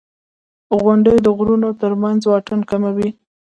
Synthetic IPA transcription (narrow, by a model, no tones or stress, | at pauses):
ɣʊɳɖəjd̪əɣɾunot̪əɾmanzwɑʈənkamawi